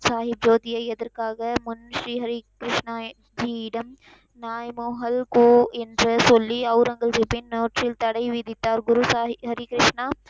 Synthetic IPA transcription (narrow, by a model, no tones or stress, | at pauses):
saːɦib̚d͡ʒoːt̪ijɐjɐd̪ɐɾkaːɡɐmunʃɾiːɦɐɾikɾɪʂɳa | d͡ʒiːɖɐm | naːjmoːɦɐlkoːend̪ɾɐsolːiɐwɾɐŋɡɐlzipinːoːʈʃɾiːlt̪ɐɽɐjʋid̪it̪ːaːɾɡuɾusaːɦiɦɐɾikɾɪʂɳaː